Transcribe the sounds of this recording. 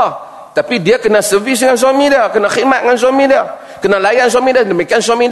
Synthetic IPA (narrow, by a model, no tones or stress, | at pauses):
t̪apidiakənasəvis̬ŋans̬amidakənaximat̪̚ŋans̬amida | kənalajans̬amidədəmikians̬amid